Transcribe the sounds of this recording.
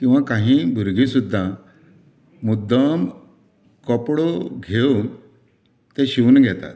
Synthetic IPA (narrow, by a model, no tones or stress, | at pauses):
kĩw̃ʋakãɦĩbʱuɾɡʱisud̪ʱːa | mud̪əm | kɔpɽoɡʱeun | t̪eɕiunɡʱjɛt̪a̰t̪